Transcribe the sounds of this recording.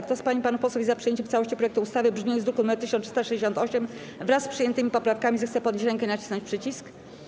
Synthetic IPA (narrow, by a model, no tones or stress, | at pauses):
kt̪ɔspaɲipanupɔswuvizapʂɨjeɲt͡ɕɛmfsawɔɕt͡ɕipɾɔjɛk̚t̪uːst̪avɘbʐmʲɛzɾukumɛt̪ːɘɕ̬ɔ̃nt̪ʂst̪aʂɛd͡ʑeɕɔ̃nt̪ɔɕɛm | vɾasːpʂɘjɛnt̪ɘmʲipɔpɾafkamʲizɛxt̪sɛpɔd̪ɲeɕɾɛŋkɛnat͡ɕi̥snɔɲt͡ɕpʂɘt͡ɕisk